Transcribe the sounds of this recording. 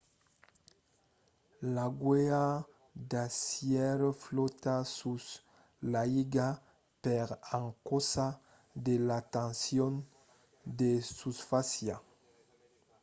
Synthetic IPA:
laɡwea | d̪asjɛɾflot̪asus | laiɡa | peɾãŋkosa | d̪elat̪ãnsjon | d̪esusfasja

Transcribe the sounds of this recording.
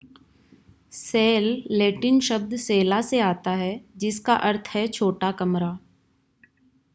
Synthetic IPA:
seːlːeːʈɪnʃɐb̚d̪seːlaseaːt̪aɦɛd͡ʒɪskaʔɐɾt̪ʰɦɛt͡ʃʰoːʈakɐmɾaː

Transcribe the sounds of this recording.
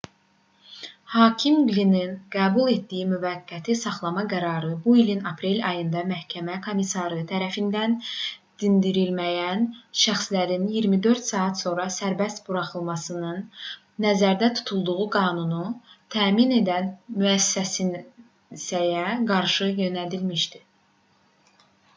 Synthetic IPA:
hɑːcʰimɡlininɡ̥æːbulˠe̞t̪d̪ijimyvæɡːæt̪ʰisɑχlˠɑmɑɡæɾɑːɾɯbuilinɑpɾe̞lʲɑjɯnd̪ɑmæhcʰæmækʰo̞misɑɾɯt̪ʰæɾæfind̪ænd̪̥ind̪iɾilmæjænʃæxslæɾinjiɾmid̪ø̞ɾt̪sɑːɑt̪so̞nɾɑsæɾbæst̪b̥uɾɑχɯlˠmɑsɯnɯnː | æzæɾd̪æt̪ʰu̥t̪ʰulˠd̪uʁuɡɑːnunut̪ʰæːmine̞d̪ænmyæsːæs | sæjæɡɑɾʃɯjø̞næd̪ilmiʃd̪i

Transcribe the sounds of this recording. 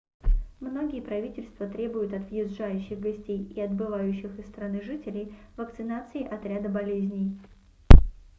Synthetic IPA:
mno̞ɡʲɪjəpɾɐvʲitʲɪlʲst̪vət̪ɾʲe̞bʊjʊt̪ɐt̪vjɪzʐajʉɕːɪɣɡɐsʲtʲejiɐd̪bɨvajʉɕːɪxɨsːt̪ɾɐnɨʐɨtʲɪlʲɪjvəkt̪sɨnat̪sɨɪʔɐt̪ɾʲad̪əbɐlʲezʲnʲɪj

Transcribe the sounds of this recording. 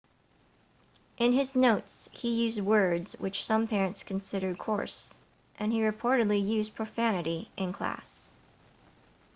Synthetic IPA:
ʔɨ̃nɪznoʊtshijʉzd̚wɜ˞dz̥wɨ̰t͡ʃsʌ̃mpʰɛɹɨ̃ntskʰn̩sɪɾə˞d̚kʰɔ̰ɹs | ʔɨ̃niɹɨpʰɔɹɾɨdˡlijʉzpʰɹ̥ɨfænɨɾiʔɨ̃nkʰl̥æ̰s

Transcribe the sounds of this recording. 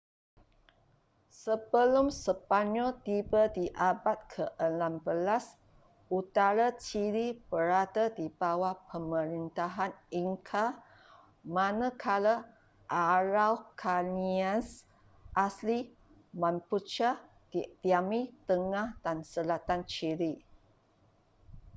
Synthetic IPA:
səbəlumsəpaɲɔlt̪ibədiʔabat̪̚kʰəʔənambəlas | ut̪aɾat͡ʃilib̥əɾad̪ədibawapʰəmə̃ɾint̪aɦaniŋkʰa | mãnãkʰala | ʔaɾawkʰanians | ʔasli | mãnput͡ʃa | d̥it̪iamit̪əŋãhd̥ansəlat̪ant͡ʃiɾi

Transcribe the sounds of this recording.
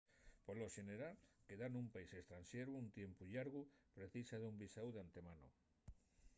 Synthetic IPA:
poloʃeneɾalkeðanũmpaisest̪ɾanʃeɾuunt̪jempuʎaɾɣupɾeθisaðumbisawðeant̪emano̰

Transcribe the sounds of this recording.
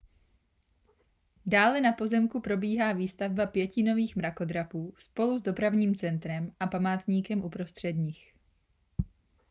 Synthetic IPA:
daːlɛnapo̞zɛmkupɾo̞biːɦaːviːst̪avbapjɛcɪno̞viːxmɾako̞d̪ɾapuːspo̞luzdo̞pɾavɲiːmt͡sɛnt̪ɾɛmʔapamaːt̪ɲiːkɛmʔupɾo̞st̪r̝̥ɛdɲɪx

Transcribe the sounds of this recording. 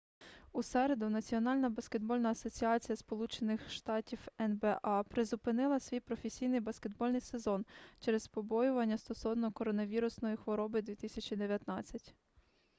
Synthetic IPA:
usɛɾe̞d̪ʊnɐt͡sʲiɔnɑlʲnɐbɐsked̪̚bɔlʲnɐɐsɔt͡sʲiɑt͡sʲijɐspɔlˠut͡ʃenɪxʃt̪ɑtʲiwɛnbɛʔɑpɾezʊpɪnɪlˠɐsʲʋʲijpɾɔfʲesʲijnɪjbɐskʲe̞d̪bɔlʲnɪjsezɔnt͡ʃɛɾɛspɔbɔjʊʋɐnʲːɐst̪ɔsɔwnɔkɔɾɔnɐʋʲiɾʊsnɔjixʋɔɾɔbɪd̪ʋʲit̪ɪsʲɐt͡ʃid̪e̞ʋʲjɐt̪nɑt͡sʲːɐtʲ

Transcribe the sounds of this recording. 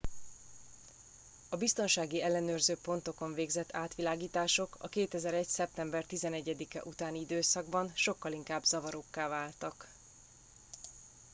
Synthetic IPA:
ɒbist̪o̞nʃaːɡiɛlːɛnøːrzøːpo̞n̪t̪o̞ko̞ɱveːɡzɛt̪ːaːt̪ʋilaːɡiːt̪aːʃo̞kɒ̰keːt̪ɛzɛɾɛcsɛp̚t̪ɛmbɛrt̪izɛnɛɟːɛd̪ikɛ̰ʔut̪aːniid̪øːsɒɡbɒnʃo̞kːɒliŋkaːbzɒvɒɾokːaːvaːlt̪ɒk

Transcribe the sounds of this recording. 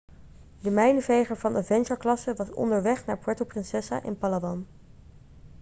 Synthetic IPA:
dəmɛjnəvejχəɹvɑndəvɛnʒəɹklɑsəʋɑsɔ̰ndəɹʋɛχnaːɹpɔɹtowprɪnsɛsa̰ʔɪ̰npɑlabɑn

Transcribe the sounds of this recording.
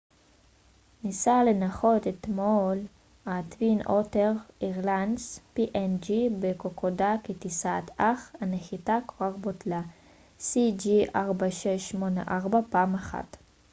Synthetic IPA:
nisalenaχot̪et̪mol | at̪vinʔoteʁiʁlanspiʔend͡ʒibekokʰodaketisat̪aχaneχitakoʁaʁbot̪la | sid͡ʒiʔaʁbaʃeʃmona̰ʔaʁbapaaːmaχa̰t̪

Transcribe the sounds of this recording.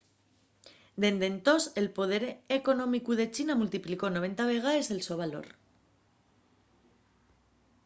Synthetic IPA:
d̪e̞nd̪e̞nt̪o̞se̞lpo̞ð̞e̞ɾeko̞no̞mikuð̞e̞t͡ʃinamult̪ipliko̞no̞β̞e̞nt̪aβ̞e̞ɣ̞ae̞ze̞lso̞β̞alo̞̰ɾ

